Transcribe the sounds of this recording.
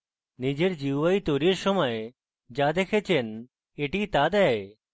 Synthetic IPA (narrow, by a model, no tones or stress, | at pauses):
nid͡ʑeɾd͡ʑiwʋait̪oɾiɾsɔməje | d͡ʑad̪ekʰet͡ɕen | eʈit̪ad̪ɛe